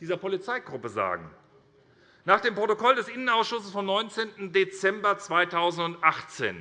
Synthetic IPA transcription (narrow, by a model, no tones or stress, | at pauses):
d̥iːzɐpolit͡saɪɡʁʊpəza̰ːɡŋ̩ | naːχd̥eːmpʁ̥otokɔldɛsʔɪnənaʊsʃʊsəsfɔmnɔʏnt͡seːntn̩det͡sɛmbɐt͡sv̥aɪtʰaʊzn̩tʊntʔaχt͡sḛːn